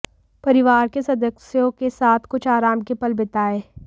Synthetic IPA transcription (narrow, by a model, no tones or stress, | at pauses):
pɐɾɪʋaːɾkesɐd̪ʱəksjõkesaːt̪ʰkʊt͡ʃʰaːɾaːmkepɐlbɪt̪aːeː